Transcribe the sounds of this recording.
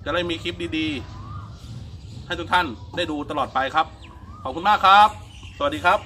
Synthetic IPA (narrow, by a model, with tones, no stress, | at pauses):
t͡ɕa˨˩la˥˩miː˧kʰi˦˥p̚diː˧diː˧ | ha˥˩jt̪ʰu˦˥kt̪ʰa˥˩ndaː˥˩jduː˧t̪a˧lɔː˨˩t̪̚pa˧jkʰa˦˥p̚ | kʰɔː˨˩p̚kʰu˧maː˥˩kʰɾa˦˥p̚ | sa˧˩a˩t̚diː˧kʰa˦˥p̚